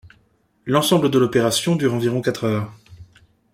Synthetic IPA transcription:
lɑ̃sɑ̃bləd̪əlɔpeʁasjɔ̃d̪yʁɑ̃viʁɔ̃kat̪χœʁ

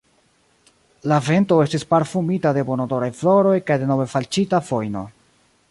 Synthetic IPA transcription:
lave̞nto̞e̞stispaɾfumitade̞bonodo̞ɾajflo̞ɾo̞jkajde̞no̞ve̞falt͡ʃitafo̞jno̞̰

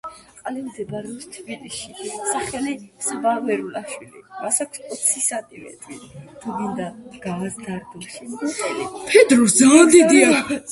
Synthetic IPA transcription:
qʼalɛmzɛbaɾɔpst̪ʰbiliʃisaχɛlisavavɛɾulaʃwilḭmasakʰsɔt̪sʰisat̪ʼimɛ̰t̪ʼɾḭt̪ʰubind̪aɡ̥aːsd̪aɾd̪ɔʃimɡtʼɛlḭpʰɛd̪ɾusd̪zand̪id̪ia

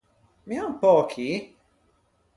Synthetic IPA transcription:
miawpɔːkʰi

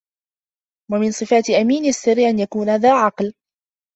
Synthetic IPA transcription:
wamɪnsˤɨfaːt̪ʔamiːnasːɪrːɪʔanjakuːnhaðaːʕɑql

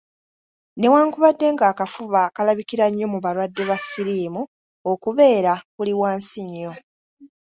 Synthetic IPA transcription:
ne̞waːŋkuβadːe̞ŋɡaːkafuβakalaβikiɾaɲːo̞muβalwadːe̞βasiɾiːmu | okuβe̞ːɾaβuliwaːnsiɲːo̞

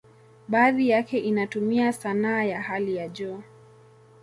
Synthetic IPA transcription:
ɓaːðijakɛʔinatumiasanaːjahalijaʄɔ

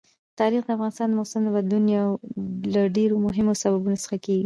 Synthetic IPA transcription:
t̪ɑɾixd̪əafɣɑnɪst̪ɑnd̪əmowsamd̪əbad̪lunawlaɖeɾomʊɦɪmosababunosə̥xakeɡi

